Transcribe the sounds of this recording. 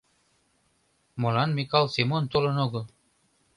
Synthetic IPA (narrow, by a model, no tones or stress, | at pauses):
molɑnmikalˠsimont̪olɤ̆noɡɤ